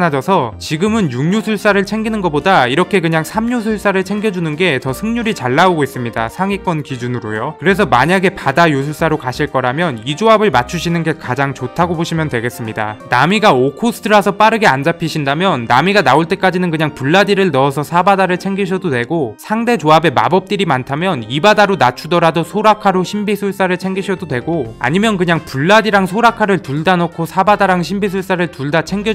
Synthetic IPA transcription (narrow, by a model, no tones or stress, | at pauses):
nad͡ʑʌsʰʌt͡ɕiɡɯmɯnjuŋɲusʰuɭs͈aɾɯɭt͡ɕʰe̞ŋɡinɯnɡʌp͈odaiɾʌkʰe̞kɯɲaŋsʰamɲus̬ʰuɭs͈aɾɯɭt͡ɕʰe̞ŋɡjʌd͡ʑunɯnɡe̞tʌsʰɯŋɲuɾit͡ɕaɭːaoɡois͈ɯmɲida̰sʰaŋik͈ʌnkid͡ʑunɯɾojokɯɾe̞s̬ʰʌmaɲaɡe̞padajus̬ʰuɭs͈aɾokaɕʰiɭk͈ʌɾamjʌnid͡ʑoabɯɭmat͡ɕʰuɕʰinɯnɡe̞kad͡ʑaŋt͡ɕotʰaɡoboɕʰimjʌndwe̞ɡe̞s͈ɯmɲida̰namiɡaokʰosʰɯ̥tʰɯɾasʰʌp͈aɾɯɡe̞and͡ʑapʰiɕʰindamjʌnːamiɡanaoɭt͈e̞k͈ad͡ʑinɯnkɯɲaŋpuɭːadiɾɯɭnʌːsʰʌsʰabadaɾɯɭt͡ɕʰe̞ŋɡiɕ̬ʰʌdodwe̞ɡosʰaŋde̞d͡ʑoabe̞ma̰bʌp̚t͈iɾimantʰamjʌnibadaɾonat͡ɕʰudʌɾadosʰoɾakʰaɾoɕʰimbisʰuɭs͈aɾɯɭt͡ɕʰe̞ŋɡiɕʰʌdodwe̞ɡoa̰ɲimjʌnkɯɲaŋpuɭːadiɾaŋsʰoɾakʰaɾɯɭtuɭdanokʰosʰabadaɾaŋɕ̬ʰimbis̬ʰuɭs͈aɾɯɭtuɭdat͡ɕʰeŋɡi